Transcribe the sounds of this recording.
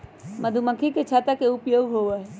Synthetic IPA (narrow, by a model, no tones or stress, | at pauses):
məd̪ʱumə̃kʰiket͡ʃʰat̪əkeupjoːɡɦoʋaɦ